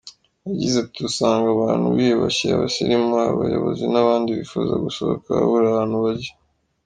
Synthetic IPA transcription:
jaɟizetiusaːŋɡaβaːnhuβiβaçiaβasiɾimaβajo̰βozinaβaːndiβifuːza̰ɡusoβo̰kaβuɾaβaːn̥huβaɾɟe̥

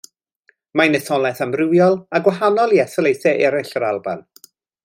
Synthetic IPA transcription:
manɛθɔlˠɛθamrɪwjɔlˠaɡwaɦanɔlˠiɛθɔlejθɛʔɛɾɪɬəɾalˠba̰n

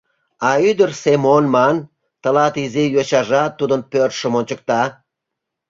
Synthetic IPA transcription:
ɑyd̪ərsemonmɑn | t̪ə̆lɑt̪izejoɕɑʒɑt̪ːud̪ənpørt̪ʃə̆monʲt͡ɕə̆k̚t̪ɑ

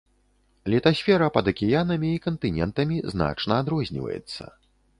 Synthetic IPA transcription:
lʲɛt̪asʲfʲɛɾɐpɐd̪ɐkʲɛjanɐmʲiːkɐnt̪ɨnʲɛ̰nt̪ɐmʲizna̰t͡ʂnɐad̪ɾɔzʲnʲḭvɐ̰jɛ̰t̪sːɐ̰

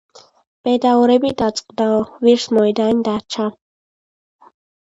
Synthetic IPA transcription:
b̥ɛd̪aɔɾɛbid̪at̪sʼqʼd̪aɔviɾsmɔɛd̪and̪at͡ʃʰa

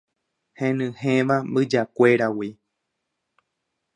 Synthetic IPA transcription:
hẽnɨ̃hẽʋambɨd͡ʒakʷe̞ɾawi

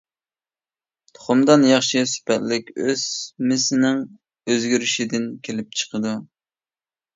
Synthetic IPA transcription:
t̪ʰo̥χʊmd̪ɑnjɑχʃisy̥pɛt̪lɪkʲøz̥mɪsɪnɪŋ | øzɡʲyɾyʃid̪ɪnkʲʰelɪp̚t͡ʃʰə̥qəd̪u

